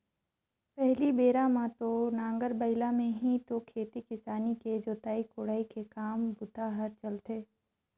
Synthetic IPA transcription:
pɛɦlibeːɾamãt̪onãːŋɡəɾbəɪlamẽɦĩt̪okʰeːt̪ikɪsaːniked͡ʒoːt̪aːikoːɽaːikekaːmbʊt̪aɦəɾt͡ʃɐlt̪eː

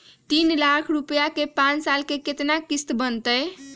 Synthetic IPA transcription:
t̪inlakʰɾupjakepãnt͡ʃsalkeket̪nakist̪bənt̪əj

